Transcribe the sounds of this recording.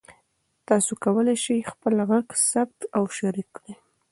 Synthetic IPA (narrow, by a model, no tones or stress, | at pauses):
t̪ɑsokawəlajʃəjxpəlɣaɡsab̚t̪awʃaɾikɽe